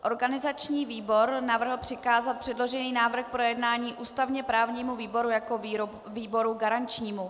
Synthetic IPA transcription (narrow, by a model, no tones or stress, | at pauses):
ʔo̞ɾɡanɪzat͡ʃɲiːviːbo̞ɾnavr̩ɦl̩pr̝̥ɪkaːzat̪̚pr̥ɛdlo̞ʒɛniːnaːvr̩xpɾo̞jɛdnaːɲiːʔuːst̪avɲɛpɾaːvɲiːmuviːbo̞ɾujako̞ | viːbo̞ɾuɡaɾant͡ʃɲiːmu